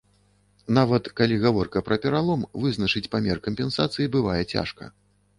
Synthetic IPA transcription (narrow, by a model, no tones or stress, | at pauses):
navɐt̪kalʲiɣavɔrkɐpɾɐpʲɛɾalˠɔmvɨznɐt͡ʂɨt͡sʲpamʲɛrkɐmʲpʲɛnsat̪sɨjibɨvajɛt͡sʲa̰ʂkɐ̰